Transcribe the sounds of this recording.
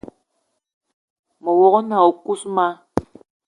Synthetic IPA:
mɔ˨wɔ˦kɔ˦na˨o˨ku˦sma˦

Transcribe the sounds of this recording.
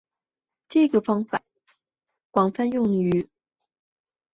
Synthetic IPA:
ʈ͡ʂɤ˥˩ɡə˩fɑ˥ŋfa˨˩˦ | kwɑ˨˩ŋfa˥njʊ˥˩ŋy˧˥

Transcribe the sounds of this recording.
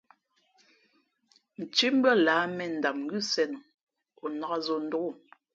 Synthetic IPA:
n̩˨t͡ʃi˦m̩˦bə˦˨laː˨˦mɛ˨n̩˨da˨p̚ŋ̩˦ɡʉ˦sɛ˨n˨ | o˨na˨a˦zo˨n̩˦do˦ku˦˨

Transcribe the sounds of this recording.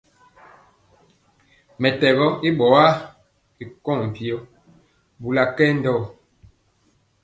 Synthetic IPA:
mɛ˨tɛ˨bɔ˦i˦ɓɔ˨˦a˦ | i˨kɔ˦˨ŋm̩˨pi˨ɔ˦ | bu˨la˨kɛ˦n̩˦dɔ˦˨

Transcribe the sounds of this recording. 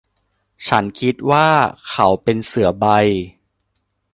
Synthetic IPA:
t͡ɕʰa˦˥nkʰi˦˥t̪̚waː˥˩kʰa˨˩˦wpe˧nsɯ˨˩˦ɐba˧j

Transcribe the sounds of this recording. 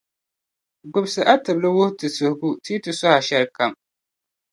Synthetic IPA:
ɡ͡bʊ˨bsɨ˨ʔa˦tɨ˨blɨ˦wʊ˦htɨ˨sʊ˨hʊ˨ɡu˦tiː˦tɨ˨sɔ˦ha˨ʃɛ˦ɾka˨m

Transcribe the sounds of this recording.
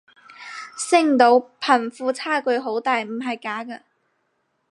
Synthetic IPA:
sɪ˥ŋt̪o˨˧˥wpʰɐ˨˩nfuː˧t͡sʰaː˥˩kɵ˨˧ɥɦo˨˥wt̪aː˨jm̩˨˩ɦɐ˨jkaː˨˥kɐ˧

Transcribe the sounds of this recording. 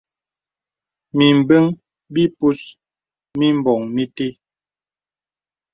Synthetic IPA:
mi˨m̩˨be˦ŋ | bi˦pu˦s | mi˦m˦˨bɔ˨ŋmi˦te˦

